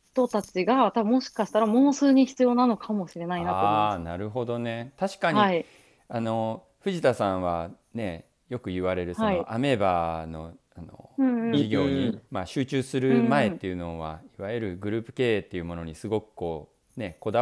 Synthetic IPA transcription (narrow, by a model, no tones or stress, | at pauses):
ç̥t̪o̞t̪at͡ɕiɡat̪abɯmo̞ɕi̥kaɕi̥t̪aɾamo̞ːsɨːɲ̟içi̥t͡sɨjo̞ːnano̞kʰamo̞ɕiɾe̞nainataonaɾɯ̟ɦo̞d̪o̞ne̞t̪aɕi̥kaɲii | ano̞ | ɸɯ̟ʑit̪asãɰ̃βa̰ | ne̞ | jo̞kɯ̟ɯβaɾe̞ɾɯ̟sioʔame̞bano̞̰ | anõ̰ːd͡ʑiɡʲo̞ːɲimaɕɨːt͡ɕɨːsɨɾɯ̟mae̞t̪ːe̞jɯ̟no̞βa̰iβajɯɾɯ̟ɡɯ̟ɾɯːpɯ̟̥ke̞ːt̪ːe̞jɯ̟mo̞no̞ɲisɨɡo̞kɯ̟̥ko̞ː | ne̞ko̞d̪a